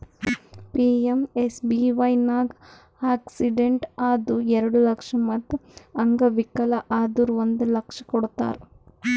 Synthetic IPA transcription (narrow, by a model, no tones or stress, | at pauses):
piːemesbiːʋɐjnaːɡ | aːksiɖeɳʈaːd̪uɛɾɐɽulɐkʂɐmɐd̪ɐŋɡɐʋikːɐlɐʔaːd̪uɾʋond̪ulɐkʂɐkoɽut̪a̰ːɾ